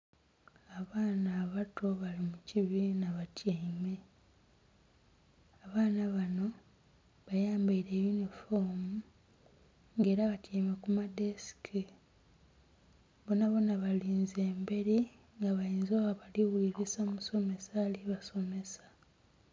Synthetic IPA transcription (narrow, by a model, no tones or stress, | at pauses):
aβaːnaːβatʰo̞βalimuciβinaβatjeme | aβaːnaβano̞ | βajaːmbaiɾe̞junifomu | ŋɡe̞ːɾaβatjeːmekumadesi̥ki | βonaβonaβaliːnze̞ːmbe̞ɾi | ŋɡaβajiːnzoaβaliwuliɾisamuso̞me̞saliβaso̞me̞sḁ